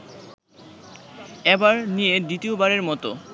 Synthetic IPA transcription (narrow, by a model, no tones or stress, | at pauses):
ɛbaɾnijed̪it̪iobaɾeɾmɔt̪o̰